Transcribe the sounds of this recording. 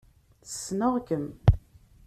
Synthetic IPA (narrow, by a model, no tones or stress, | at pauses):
θə̥sːnəʁkəm